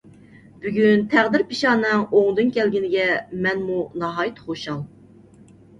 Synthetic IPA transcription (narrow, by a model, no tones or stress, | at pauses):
b̥yɡʲynt̪ʰæʁd̪ɪɾpiʃɑːnɨŋoŋd̪ɨnkʲʰɛlɡʲinɪɡʲɛmɛnmunɑɦɑːjit̪χoʃɑlˠ